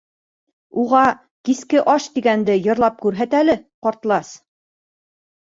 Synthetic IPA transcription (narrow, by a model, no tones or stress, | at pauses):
uʁɑ | kiskɘʔɑʃt̪iɡænd̪ɘjɤ̆ɾlˠɑp̚kʉɾɦæt̪ælɘqɒɾt̪lˠɑs